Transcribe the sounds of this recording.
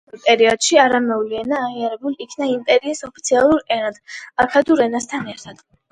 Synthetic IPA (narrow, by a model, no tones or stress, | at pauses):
pʼɛɾiɔd̪̥ʃiaɾamɛvliɛnaːʁiaɾɛbulikʰnaimp̪ʼɛɾiːsɔpʰit̪sʰialˠuɾɛnad̪̥akʰad̪uɾɛnast̪ʰanɛɾt̪ʰad̪̥